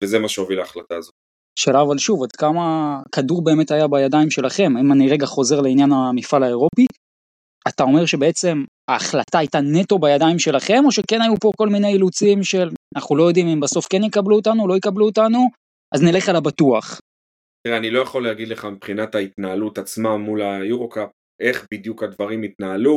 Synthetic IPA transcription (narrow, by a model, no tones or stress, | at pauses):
vezemaʃeovilaːχlat̪aːzot̪ | ʃalavalʃuvad̪kamakaduʁbe̞ːme̞thajabajadaimʃe̞laχe̞maimaniʁe̞ɡaχo̞ze̞ʁleinjanamifalaeʁo̞pi | at̪ao̞me̞ʁʃe̞be̞et͡se̞m | aːχlataajtane̞to̞bajadaimʃe̞laχe̞mo̞ʃe̞ke̞najupo̞ko̞lmine̞jilut͡simʃe̞lanaχnulo̞jo̞dimimbaso̞fke̞njikabluotanulojikabluotanu | ʔaznele̞χalabatuaχ | t̪iʁeanilo̞jaχo̞leaɡid̪leχamipχinatait̪naːlutat͡smamulajuʁokap̚ | e̞χbid̪jukad̪vaʁimit̪naːlu